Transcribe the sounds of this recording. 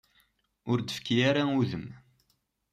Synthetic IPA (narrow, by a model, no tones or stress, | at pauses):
ʊɾd̪əfkijaɾauðəm